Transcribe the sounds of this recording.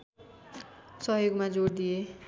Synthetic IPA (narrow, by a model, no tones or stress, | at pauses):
sʌɦjoɡmad͡zord̪ije